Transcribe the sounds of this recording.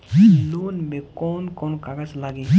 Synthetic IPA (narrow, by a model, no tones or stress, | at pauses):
lunmekɔːnkɔnkaɡaslaɡi